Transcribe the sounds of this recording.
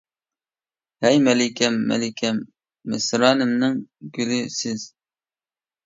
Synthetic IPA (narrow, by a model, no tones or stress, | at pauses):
hɛjmɛlɪkʲʰɛmːɛ̰lɪkʲʰɛmː | ɪsɾɑːnɪmnɪŋɡʲylɪsɪz̥